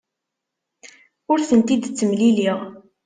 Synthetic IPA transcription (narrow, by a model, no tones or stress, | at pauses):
ʊɾθənt̪id̪t͡sːəmliliʁ